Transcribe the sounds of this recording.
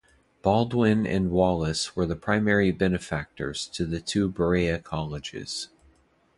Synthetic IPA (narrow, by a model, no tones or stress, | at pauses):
b̥ɑlˠdwɪ̃nɨ̰̃nwɑlˠəswə˞ðɨpʰɹ̥ãɪ̃mɛɹibɛnɨfæk̚tə̰˞z̥tʰɨðɨtʰʉbə˞iɨkʰɑlˠɨd͡ʒɪ̰z̥